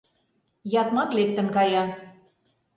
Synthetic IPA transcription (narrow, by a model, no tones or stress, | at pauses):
jɑt̪mɑk̪lekt̪ə̆nkɑjɑ